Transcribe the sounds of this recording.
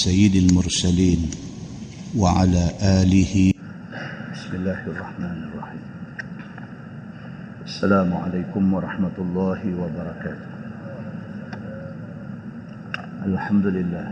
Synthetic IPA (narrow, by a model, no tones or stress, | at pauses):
sajːɪd̪almʊɾˤsaliːn | waʕa̰laːʔaːlɪh | bɪsmɪlːaːhʔɑrˤːɑħmaːnʔɑrˤːɑħiːm | ʔasːalaːmʊʕa̰lajkʊmwɑɾˤɑħmat̪ʊlˤːɑːhɪwabɑɾˤɑkaːt̪ʊ̥h | ʔalħamd̪ʊlɪlːaːh